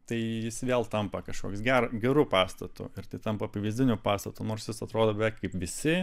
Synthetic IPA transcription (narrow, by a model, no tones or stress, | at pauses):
t̪ɐɪjɪsʋʲeːlˠt̪ɐmpɐkɐʃko̰ːkʲsɡʲæːɾɡʲɛɾuːpɑːst̪ɐt̪ʊ̰ɪɾt̪ɐɪt̪ɐmpɐpɐʋʲɪzʲdʲɪnʲʊpɑːst̪ɐt̪ʊnoːrsjɪsɐt̪ɾoːd̪oːbʲɛʋʲɛɪkkɐɪpʋʲɪsʲɪ